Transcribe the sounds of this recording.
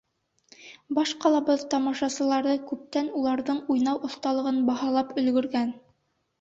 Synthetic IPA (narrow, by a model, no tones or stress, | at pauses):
bɑʃqɑlˠɑbɤðt̪ɑmɑʃɑsɤ̆lˠɑɾðɤkʉp̚t̪ænulˠɑɾðɤɴujnɑwʔŏθt̪ɑlˠɤ̆ʁɤnbɑhɑlˠɑpɵ̆lɡɵ̆ɾɡæn